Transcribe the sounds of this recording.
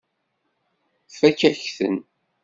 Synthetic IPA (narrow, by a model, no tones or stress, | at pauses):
fækːæçθə̰n